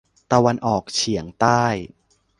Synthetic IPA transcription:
t̪a˧wa˧nʔɔː˨˩k̚t͡ɕʰi˩˦əŋt̪aː˥˩j

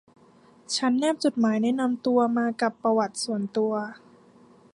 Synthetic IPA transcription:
t͡ɕʰa˦˥nːɛː˥˩p̚t͡ɕo˨˩t̪̚maː˩˦jnɛː˦˥na˧mt̪u˧ɐmaː˧ka˨˩pːɾa˧wa˨˩t̪̚su˨˩ənt̪u˧ɐ

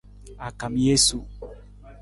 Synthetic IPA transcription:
a˨kã˨m˨˦je˦su˨

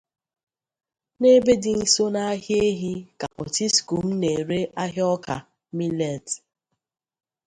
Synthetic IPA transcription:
ne˦be˦dɪ˨n̩˦so˦na˦a˦ɦje˦ɦi˦ka̰˨ʔɔ̰˨ti˦sku˨m̩˦ne˨ɾe˦ʔa˦ɦɪ˦ɔ˦ka̰˨ | mi˦le˨t

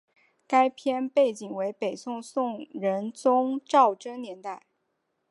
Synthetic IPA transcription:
ka˥ɪpʰjɛ˥npe˥˩ɪt͡ɕi˨˩ŋwe˧˥ɪpe˨˩ɪsʊ˥˧ŋsʊ˥˩ŋɻə˧˥nt͡sʊ˥ŋʈ͡ʂɑ˥˩ʊʈ͡ʂə˥ŋnjɛ˧˥nt̪a˥˩ɪ

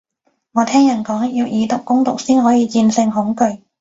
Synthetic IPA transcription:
ŋɔː˨˧t̪ʰɛː˥ŋjɐ˨˩nkɔː˨˥ŋjiː˧wjiː˨˧t̪ʊ˨˩k̚ːʊ˥ŋt̪ʊ˨k̚siː˥nɦɔː˨˥jiː˨˧t͡siː˧nsɪ˧ŋɦʊ˨˥ŋkɵ˧ɥ

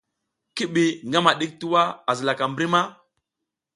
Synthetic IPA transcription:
ki˦ɓi˨ŋɡa˦ma˨ɗi˦k̚tu˦wa˦a˨zi˨la˨ka˨mbɾi˦ma˦

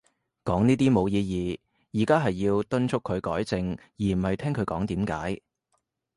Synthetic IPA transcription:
kɔː˨˥ŋniː˥t̪iː˥mo˨˧wjiː˧jiː˨˩ | jiː˨˩kaː˥ɦɐ˨jːiː˧wt̪ɵ˥nt͡ʃʰʊ˥kʰːɵ˨˧ɥkɔː˨˥jt͡sɪ˨˧ŋ | jiː˨˩m̩˨˩hɐ˨jt̪ʰɛː˥ŋkʰɵ˨˧ɥkɔː˨˥ŋt̪iː˨˥mka̰ː˨˥j

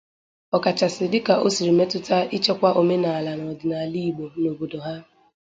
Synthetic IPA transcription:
ɔ˨ka˨t͡ʃa˨sɪ˨dɪ˦ka˨ʔo˦si˨ɾi˨me˦tʊ˦ta˦i˦t͡ʃe˦kʷa˦ʔo˨me˦na˨a˨la˨nɔ˨dɪ˨na˨li˦i˨ɡ͡bo˨no˨bo˨do˨ɦa˦

